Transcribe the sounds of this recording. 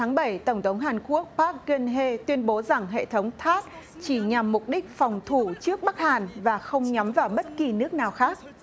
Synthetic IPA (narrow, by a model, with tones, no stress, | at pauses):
aː˨˦ŋɓə˧˩jt̪ə˧˩wŋ͡mt̪ʰə˨˦wŋ͡mɦaː˨˩nku˦˥ək̚paː˦˥k̚ɣə˧nɦe˧t̪wi˧ənɓo˨˦za˨˩ŋɦḛ˧˨t̪ʰə˨˦wŋ͡mt̪ʰaː˦˥t̚t͡ɕi˧˩ɲa˨˩mːʊ˨˩k͡p̚ɗï˦˥k̟̚fɔ˨˩wŋ͡mt̪ʰu˧˩t͡ɕɨ˦˥ək̚ɓa˦˥k̚haː˨˩nvaː˨˩xə˧wŋ͡mɲa˨˦mvaː˨˩wɓə˦˥t̚ki˨˩nɨ˦˥ək̚naː˨˩wxaː˦˥k̚